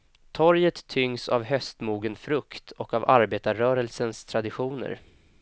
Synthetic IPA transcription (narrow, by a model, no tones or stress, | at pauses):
t̪ʰɔɾjət̪ʰːʏŋsa̰vɦœst̪muːɡənfɾɵkt̪ʰɔkavaɾbeːt̪aɾœːɾəlsənst̪ʰɾad̪ɪɧuːnə̰ɾ